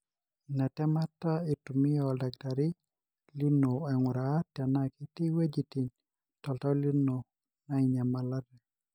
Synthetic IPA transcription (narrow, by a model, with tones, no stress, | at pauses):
na˨tɛ˦ma˦tːa˦i˨tu˨mi˦jɔlda˨ɡ̚da˨ɾi˦ | li˦no˨a˨ŋu˨ɾa˨ta˨naki˦ti˦we˦d͡ʒiti˨n | tɔ˨ltɔ˦li˦no˨ | na˦iɲa˨mala˦dɛ˨